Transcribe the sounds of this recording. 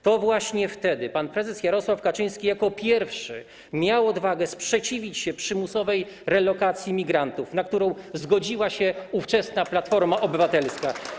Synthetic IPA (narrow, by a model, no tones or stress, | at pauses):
t̪ɔvwaɕɲɛft̪ɛd̪ɘpanpɾɛzɛsjaɾɔswafkat͡ʂɘj̃skʲijakɔpʲjɛɾfʂɘ̰ | mʲjawɔd̪vaɡɛspʂɛt͡ɕivʲit͡ɕɕɛpʂɘmusɔvɛj | ɾɛlɔkat̪sʲjimʲiɡɾant̪ufnak̚t̪uɾɔ̃w̃zɡɔd͡ʑiwaɕɛuft͡ʂɛsnaplat̪fɔɾmaʔɔbɘvat̪ɛlska